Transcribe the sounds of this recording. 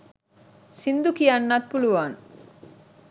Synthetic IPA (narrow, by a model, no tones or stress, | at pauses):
sind̪ukijanːat̪̚puluʋaːn